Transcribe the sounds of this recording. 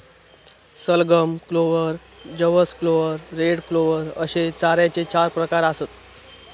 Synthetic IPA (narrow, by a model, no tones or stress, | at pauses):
səlɡəmkloʋəɾ | d͡ʑəʋəskloʋəɾːeɽkloʋəɾəɕet͡saɾjat͡set͡ɕaɾpɾəkaɾasət̪̚